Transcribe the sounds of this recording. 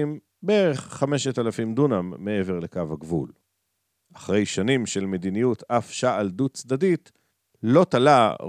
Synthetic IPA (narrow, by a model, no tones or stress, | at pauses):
im | bee̞ʁe̞χːame̞ʃetalafimd̪unamːe̞e̞ve̞ʁle̞kavhaɡvṵl | aχʁe̞jʃanimʃe̞lmed̪inijutʰafʃaald̪utt͡sd̪adit | lo̞t̪ala